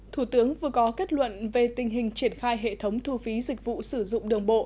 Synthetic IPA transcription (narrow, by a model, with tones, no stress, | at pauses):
t̪ʰu˧˩t̪ɨ˨˦əŋvɨ˨˩əkɔ˨˦ke˦˥t̚lwə̰˧˨nve˨˩t̪ï˨˩ŋ̟ɦï˨˩ŋ̟t͡ɕi˧˩ənxaː˧jɦḛ˧˨t̪ʰə˨˦wŋ͡mt̪ʰu˧fi˨˦zï˨˩k̟̚vṵ˧˨sɨ˧˩zʊ̰˧˨ŋ͡mɗɨ˨˩əŋɓo̰˧˨ʔ